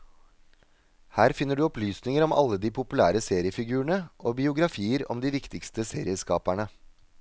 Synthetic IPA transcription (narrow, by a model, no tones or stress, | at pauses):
hæːɾfɪnːəɖʉːɔplyːsnɪŋəɾɔmɑ̰lːəd̪iːpʰʊpʉlæːɾəseːɾɪəfɪɡʉːəɳəʔoːbɪʊɡɾɑfiːəɾɔ̰md̪iːʋɪkt̪ɪkst̪əseːɾɪəskɑːpæɳə